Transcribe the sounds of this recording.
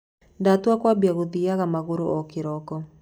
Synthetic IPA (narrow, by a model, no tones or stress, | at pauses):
datuakwabiaɣoðiaɣamaɣoɾoʔɔkɪɾɔkɔ